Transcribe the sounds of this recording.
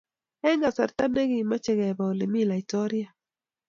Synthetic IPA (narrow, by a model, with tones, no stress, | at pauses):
ɛ˦ŋɡa˨sa˨ɾt̪a˦ne˦ɡi˦ma˦t͡ʃɛ˦ɡɛ˨ba˨le˨mi˦la˨i˨tɔ˦ɾi˦a˨